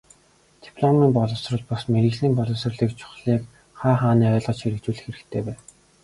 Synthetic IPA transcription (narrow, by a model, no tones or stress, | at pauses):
t̪i̥pʰɮɔmiːmpɔɮɞ̆wsrɞ̆ɮpɔsmeɾĭɣɮiːmpɔɮɞ̆sɞ̆rɮiːkt͡ɕʰʊ̥χɮiːk | χaːχaːniːœːɮʁɞ̆t͡ɕʰxeɾɘ̆kt͡ɕuːɮɘ̆xeɾɘ̆kt̪ʰeːpæːn